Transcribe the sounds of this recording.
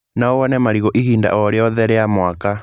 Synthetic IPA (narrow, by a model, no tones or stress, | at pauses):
naɔwanɛmaɾiɣɔʔiɦiːnda̰ʔɔɾeɔðɛɾɛamwaka